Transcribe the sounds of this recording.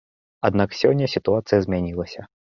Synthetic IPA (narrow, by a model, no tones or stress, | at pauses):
ad̪naksʲɔnʲːɐsʲit̪uat̪sɨjɐzʲmʲanʲilˠɐsʲɐ